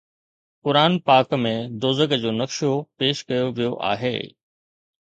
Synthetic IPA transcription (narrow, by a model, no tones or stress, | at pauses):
kʊɾaːnpaːkmẽd̪oːzəɡd͡ʑoːnɐkʃopeːʃkɐjoʋijoʔa̰ːɦḛː